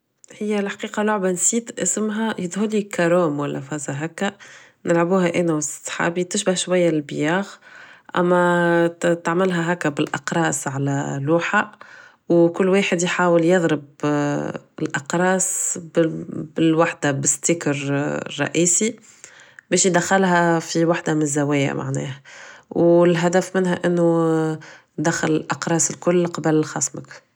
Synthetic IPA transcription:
hɪjːælħqiːqɑlʊʕbansiːt̪ʔɪsmɦæjɪd̪ˤhʊlːikaɾoːmwælːʔæfɑːzaɦækːæ | nɪlʕabuːɦæʔɛːnæwɪssˤħa̰ːbit̪ɪʃbahʃwæjːællbjaːɣʔæ̰mːæ | t̪aʕmɪlɦæɦækːæbɪlʔɑ̰qɾˤɑːsʕalæ̰luːħa | wkʊlːweːħəd̪jħaːwəljɑðˤɾɪb | ɪlʔɑqɾˤɑːsbbɪlwaħd̪abɪst̪ikɾrˤːɑ̰ʔiːsi | bɛːʃjd̪æxɪlɦæfiwaħd̪amɪnzːæwɛːja̰mʔa̰ʕnɛ̰ːhæwɪlɦæd̪æfmɪnɦæʔɪnːʊ | d̪æxalɪlʔɑqɾˤɑːsɪlkʊlːqɑbəlxɑ̰ːsˤmək

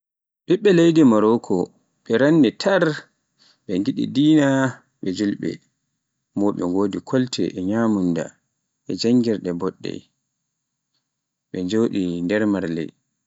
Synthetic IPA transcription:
ɓiɓːɛlejdimaɾɔkʰɔ | ɓɛɾanːitʰaɾ | ɓɛŋɡiɗḭdiːna | ɓɛd͡ʒulɓɛ̰ | mɔɗɛ̰ɡoːdikʰɔltʰɛ̰ʔɛɲaːmunda̰ | ʔɛd͡ʒaŋɡiɾɗɛbɔɗːɛ̰j | ɓɛɲd͡ʒoːɗindɛɾmaɾlɛ̰

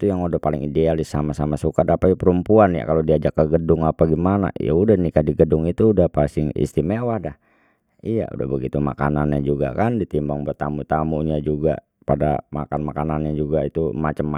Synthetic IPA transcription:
t̪ujaŋudahpalɪ̰ŋidealɪsːamasamasukadapaipəɾumpuanja̰kalodiad͡ʒakːəɡədʊŋapaɡimana̰ja̰udahnikadiɡədʊŋit̪uːdahpasɪŋḭst̪imewahdah | ija̰ṵda̰hbəɡit̪uma̰kananɲad͡ʒuɡa̰kandit̪imbaŋbərt̪amut̪amuɲad͡ʒuɡa̰ | pada̰ma̰kanmakananɲad͡ʒuɡait̪umat͡ʃəmː

